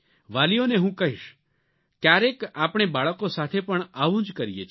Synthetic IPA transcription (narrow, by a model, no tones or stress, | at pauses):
ʋalioneɦũkəɦiʃ | kjaɾekapɳ̃ebaɭəkosat̪ʰepəɳaʋũd͡ʒkəɾijet͡ʃʰ